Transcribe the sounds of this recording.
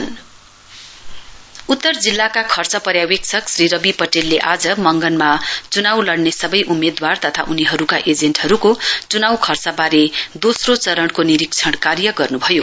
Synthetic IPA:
n | ut̪ːʌrd͡zilːakakʰʌrt͡sʌpʌɾjaweksʰʌksrɾiɾʌbipʌʈelːeʔad͡zʌmʌŋɡʌnmat͡sunawlʌɽnesʌbʌjʔumed̪wart̪ʌt̪ʰaʔuniɦʌɾukaʔed͡zeɳʈhʌɾukot͡sunawkʰʌrt͡sabaɾed̪osrot͡sʌɾʌɳkoniɾikt͡sʰʌɽkarjʌɡʌrnubʱʌjo

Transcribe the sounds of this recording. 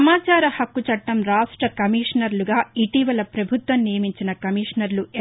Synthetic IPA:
maːt͡ʃaːɾɐhɐkːut͡ʃɐʈːɐmɾaːʂʈɾɐkɐmiːʂnɐɾluɡaːiʈiʋɐlɐpɾɐbʱut̪ʋɐmnijɐmiɲt͡ʃinɐkɐmiːʂnɐɾlue

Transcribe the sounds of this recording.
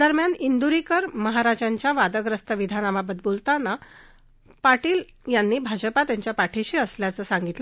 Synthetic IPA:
d̪əɾmjanind̪uɾikəɾməɦaɾad͡ʑãɲt͡ɕjaʋad̪əɡɾəst̪əʋid̪ʱanaʋabəd̪̚bult̪ana | paʈiːl | janːiːbʱad͡ʑəpat̪jaɲt͡ɕjapaʈʰeɕiːəsljat͡səːsãŋɡit̪lə

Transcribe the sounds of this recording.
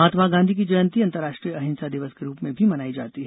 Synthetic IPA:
ɦaːt̪maɡãːnd̪ʱik̬id͡ʒɐjə̃nt̪iɐ̃nt̪əɾːaːʃʈɾijəɐɦɪ̃nsad̪ɪʋəskeɾuːpmẽbʱimɐnaːid͡ʒa̰ːt̪iɦ

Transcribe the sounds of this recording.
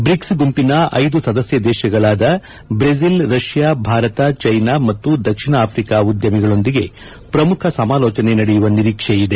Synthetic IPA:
bɾiksɡumpinɐɐjd̪usɐd̪ɐsjɐd̪ɛːʃɐɡɐɭaːd̪ɐ | bɾes̬ilɾɐʂjaːbʱaːɾɐt̪ɐt͡ʃɐjnaːmɐt̪ːud̪ɐkʂinɐaːpʰɾikaːud̪jɐmiɡɐɭo̞nd̪iɡe̞ | pɾɐmukʰɐsɐmaːlɔːt͡ʃɐne̞nɐɽejuʋɐniɾiːkʂejid̪e̞

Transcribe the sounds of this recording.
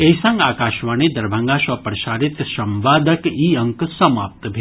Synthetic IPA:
ejsɐ̃ŋɡaːkaːʃʋaːned̪ɐɾbʱɐŋɡaːʃɐpɾɐʃaːɾit̪ʃɐmʋaːd̪ʱɐkiːɐ̃ŋksɐmaːp̚t̪bʱe

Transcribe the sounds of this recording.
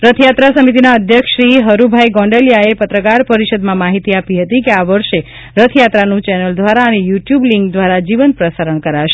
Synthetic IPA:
ɾət̪ʰjat̪ɾasəmit̪inaəd̪ʱjəkʃɾiɦəɾubʱajɡɔ̃ɳɖeljaepət̪ɾəkaɾpəɾiʃəd̪mãmaɦit̪iapiɦət̪ikeaʋəɾʃe | ɾət̪ʰjat̪ɾanũt͡ʃɛnəld̪ʋaɾaənejuʈjubliŋɡd̪ʋaɾad͡ʒiʋənpɾəsaɾəɳkəɾaʃe

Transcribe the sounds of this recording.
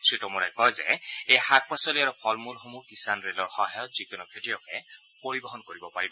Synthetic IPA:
tʰɹitɔmuɹajkɔjzɛ̰ejxak̚pasɔliaɹupʰɔlmulxomukisanɹelɔɹxɔ̃ɦajɔtzikunɔkʰetijɔkɛ | poɹibɔɦɔnkoɹibɔpaɹibɔ

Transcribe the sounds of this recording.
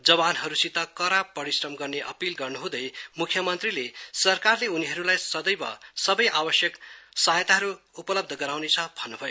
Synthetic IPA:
d͡zʌbanɦʌɾusit̪ʌkʌɾab̚pːʌɾisrʌmɡʌrneʔʌ̰pilɡʌrnuɦũd̪ʌjmukʰːjʌmʌnt̪rilesʌrkarleuniɦʌɾulajsʌd̪ʌjbʌ̰sʌbʌjʔabʌsjʌksajt̪aɦʌɾu | upʌlʌb̚d̪ʱʌɡʌɾawnet͡sʰʌbʱʌnːubʱʌjo

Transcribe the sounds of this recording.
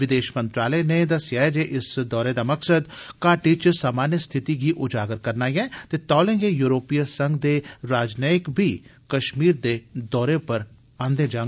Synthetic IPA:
ʋɪd̪eːʃmə̃nt̪ɾaːlənẽd̪əsɪjaːed͡ʒeːʔɪsd̪ɔːɾed̪aːməksəd̪kaːʈiːt͡ʃsaːmaːnjəst̪ʰɪt̪iɡiːʔʊd͡ʒaːɡəɾkəɾnaːiɛ̃ːt̪eːt̪ɔːlẽːɡejuːɾoːpijasə̃ŋɡd̪eːɾaːd͡ʒneɪkbʱiːkəʃmiːɾd̪eːd̪ɔːɾepəɾ | ãːnd̪ẽːd͡ʒãːŋ

